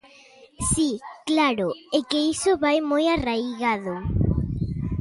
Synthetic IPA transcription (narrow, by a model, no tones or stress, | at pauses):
siklaɾoekeisʊβajmojarajɣaðo